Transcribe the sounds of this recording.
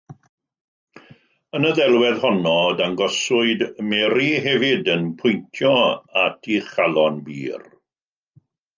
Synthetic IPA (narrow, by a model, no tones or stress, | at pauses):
ənəðɛlˠwɛðhɔnɔdaŋɡɔsʊɨdmɛɾiɦɛvɪdənpʰʊjntʰjɔatʰiχalˠɔnbḭːr